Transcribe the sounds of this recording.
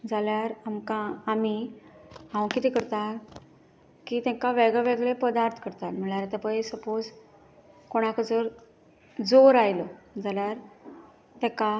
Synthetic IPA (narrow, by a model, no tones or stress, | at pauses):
d͡zaljaɾamkaːmi | ɦãwkit̪ikəɾt̪at | kiːt̪ɛ̃kaʋeɡɭɛʋeɡɭepəd̪aɾt̪ʰə̥kəɾt̪alm̤əɳɭjaɾat̪apəjsəpod͡z | koɽ̃akəd͡zəɾ | d͡zoɾajlɔd͡zaljaɾ | t̪ɛ̃ka